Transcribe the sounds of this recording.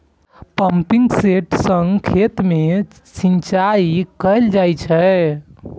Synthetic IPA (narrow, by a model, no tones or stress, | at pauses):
pəmpiŋɡseʈsəŋɡkʰet̪me | sint͡ʃaikəjld͡ʒajt͡ʃʰɛ